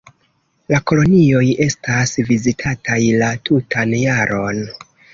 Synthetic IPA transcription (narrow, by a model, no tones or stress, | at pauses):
lako̞lo̞nio̞je̞stasvizitʰatajlatʰutʰanjaɾʔo̞n